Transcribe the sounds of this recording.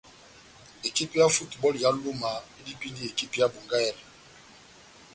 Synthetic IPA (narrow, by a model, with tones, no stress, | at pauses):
e˨ki˦pja˦fu˦tbɔ˦lja˨˦lo˦ma˨i˦di˦pi˦ndi˦e˨ki˦pja˦bo˨ŋɡa˦ɛ˦lɛ˨